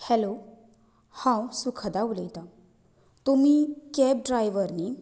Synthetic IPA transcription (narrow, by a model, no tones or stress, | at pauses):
hɛlo | hãwsukʰad̪auləjt̪a | t̪umikɛp̚ɖɾajʋəɾni